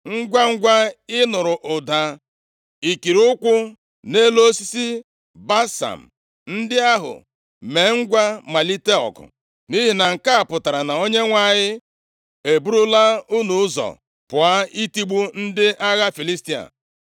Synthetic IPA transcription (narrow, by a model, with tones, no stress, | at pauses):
ŋ̩˦ɡʷa˦ŋ̩˦ɡʷa˦ɪ˦nʊ˨ɾʊ˨ʔʊ˨da˨ | i˨ki˨ɾʊ˦kʷʊ˦ | ne˦lo˦si˦si˦ | ba˦sa̰˨m̩˨ | n̩˦dɪ˦a˦ɦʊ̰˨ | me˨ŋ̩˦ɡʷa˦ma˨li˦te˦ɔ̰˨kʊ̰˨ | ni˦ɦi˨na˨ŋ̩˨ka˦a˨pʊ˨ta˨ɾa˨na˨o˦ɲe˦ŋʷa˨ɲɪ˦ | e˨bu˦ɾu˦la˦u˦nu˨ʊ˦zɔ̰˨ | pʊ˨a˦i˦ti˦ɡ͡bu˦n̩˦dɪ˦ʔa˦ɣa˦fi˨li˦sti˦a̰˨